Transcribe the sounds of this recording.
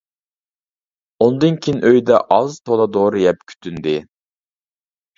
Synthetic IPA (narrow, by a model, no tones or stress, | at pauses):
ond̪ɨnkʲʰinʔøjd̪ɛʔɑzt̪ʰolˠɑd̪oɾɨjɛp̚kʲʰy̥t̪ʰynd̪ɪ